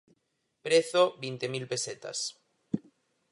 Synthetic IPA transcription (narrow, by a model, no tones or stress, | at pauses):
pɾeθobint̪emilpeset̪a̰s